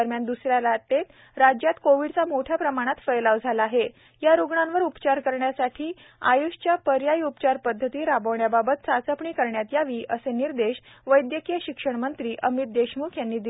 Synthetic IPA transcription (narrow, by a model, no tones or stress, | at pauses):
əɾmjand̪usɾjalat̪ːet̪ | ɾad͡ʑjat̪koʋiɽt͡samoʈʰjapɾəmaɽ̃at̪fəjlaʋd͡zʱalaːɦe | jaɾuɡɳãnʋəɾupt͡ɕaɾkəɾɳjasaʈʰiː | a̰juɕt͡ɕjapəɾjajiupt͡ɕaɾpəd̪ʱːət̪iːɾabəʋɳjababət̪̚t͡sat͡səpɳiːkəɾɳjat̪jaʋiːʔəseniɾd̪eɕ | ʋəjd̪jəkijəɕikʂəɳmənt̪ɾiːʔəmit̪̚d̪eɕmukʰjanːiːd̪i